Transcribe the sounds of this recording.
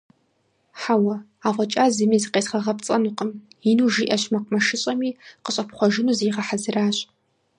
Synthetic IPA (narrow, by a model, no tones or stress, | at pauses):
ħawɐ | aːʁʷɔt͡ʃʼaːzɨmiːzɨqeːsχɐʁɐpt͡sʼɐnuqəmjinuːʒiːʔɐɕmɐq̚mɐʃɪɕʼɐmiːqəɕʼɐpχʷɔʒɪnuːziːʁɐħazɨraːɕʼ